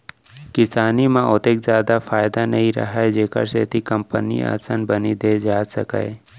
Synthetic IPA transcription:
kɪsaːnimãot̪eːkzjaːd̪afʰaːjd̪anɐɦĩɾɐ̰ɦaed͡ʒeːkə̰ɾseːt̪ikə̃mpə̰nḭa̰ːsənbənid̪ed͡ʒaːsə̰ka̰e

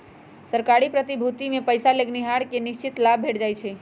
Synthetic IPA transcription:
səɾkaɾipɾət̪ibʱut̪imẽpəjsaleɡniɦaɽkenɪʃt͡ʃɪt̪lab̚ʱeʈd͡ʒajt͡ʃʰɛ

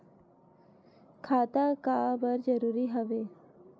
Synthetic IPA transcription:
kʰaːt̪aːkaːbəɾd͡ʒəɾuːɾiɦəʋeː

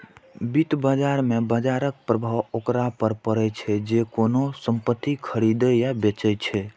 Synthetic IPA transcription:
bit̪bəd͡ʒaɾmebəd͡ʒaɾək̚pɾəbʱawokɾapəɾpəɾɛt͡ʃʰɛd͡ʒekonosəmpət̪ːikʰəɾid̪əjabet͡ʃɛt͡ʃʰɛ

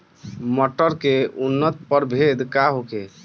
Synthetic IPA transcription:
məʈəɾkeunːət̪pəɾbʱed̪kaɦoke

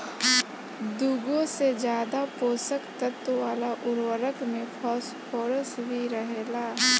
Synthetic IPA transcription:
d̪uːɡõsed͡ʒjaːd̪apoːsəkt̪ət̪waːlaʔʊɾwəɾəkmẽpʰɔːspʰoːɾəsbʱiɾəɦeːlaː

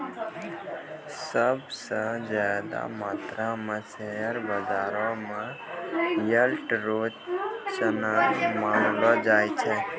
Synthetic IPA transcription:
səbsə̃zjaːd̪a̰maːt̪ɾamə̃seɦəɾbəzaːɾõmã | jəlʈɾoːt͡ʃənamaːɾlɔd͡ʒaːjt͡ʃʰɛ

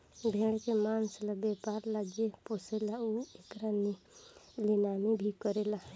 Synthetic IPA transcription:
bʱeɽekemanslabepaɾlad͡ʒeposelauekɾani | linanibʱikəɾela

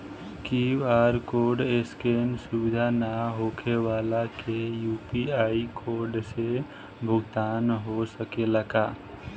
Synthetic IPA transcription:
kiːwaːɾkoːɾɖeskeːnsʊbɪd̪ʱanaɦoːkʰeʋaːlakejuːpiaːikʰoːɾɖse | bʱʊɡt̪aːnɦosəkeləɡaː

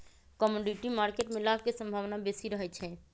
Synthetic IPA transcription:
kɔmoɖiʈimaːɾkeʈmɪlak̚kesə̃mbʱaːʋnabesiɾəɦɛt͡ʃʰɛ

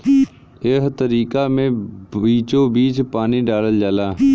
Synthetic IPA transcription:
ɪɦt̪əɾiːkaːmẽːiːt͡ʃõːbiːt͡ʃpaːniːɖaːləld͡ʒaːlaː

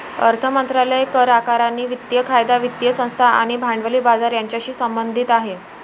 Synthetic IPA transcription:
ə̰ɾt̪ʰəmənt̪ɾaləjekəɾakaɾanːiːʋit̪jəkʰajd̪aʋit̪jəsə̃w̃st̪ʰaa̰ɽ̃ibʱaɳɖʋəliːbad͡zaɾjaɲt͡ɕjaɕiːsəmbənd̪ʱit̪aɦe

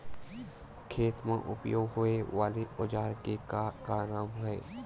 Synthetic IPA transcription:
kʰeːt̪mḛ̃ʔʊpjoːɡɦʊeʋaːleod͡ʒaːɾkekaːɾaːmɦɛe

